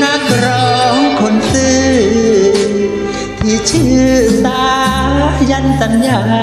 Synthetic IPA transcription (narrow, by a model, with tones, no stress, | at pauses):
na˧kɾɔ˧ŋkʰo˧˩nsɯ˧ | t̪ʰi˧˩ət͡ɕʰɯ˧sa˧ | ja˧nsa˧njaː˧˩